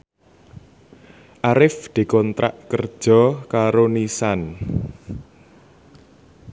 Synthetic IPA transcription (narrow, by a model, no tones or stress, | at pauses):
ʔaɾɪfd̪̥i̤kɔnt̪ɾa̰ʔkərd̥ʒ̥ɔ̤kaɾonisan